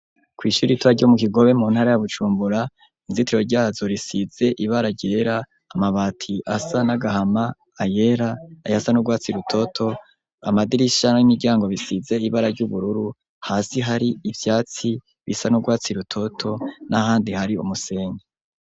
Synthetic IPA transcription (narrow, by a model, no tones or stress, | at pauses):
kwiːʃuɾitwaɾɟomuk̬iɡo̞βe̞muːnhaːɾajaβut͡ʃuːmbuɾa | niziteɾoɾɟaːzo̞ɾisiz̥e̞ʔiβaɾaɾɟe̞ɾaː | maβaːtʰiʔasanaɡahamaː | je̞ɾaːjasanuɡwaːt͡siɾutʰo̞tʰo̞ | amadiɾiʃanaimiɾɟaːŋɡo̞βisize̞iβaɾaɾɟuβuɾuɾu | haːsiɦaɾiivjaːt͡si | βisanuɡwaːt͡siɾutʰo̞tʰo̞nahaːndihaɾiṵmuse̞ːɲe